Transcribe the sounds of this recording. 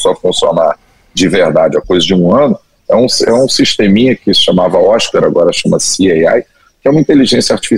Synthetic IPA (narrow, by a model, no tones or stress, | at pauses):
sɔfũsio̰na | d͡ʒɪvehd̪ad͡ʒɪɐkojzɐd͡ʒɪũɐ̃nʊ | ɛũsɛũsiʃt̪ẽmĩɲɐkɪʃamavɐɔʃkaɾaɡɔɾɐʃɐ̃mɐsiɛa̰j | kɪɛũmɐĩt̪eliʒẽsijɐaɾt͡ʃi̥fi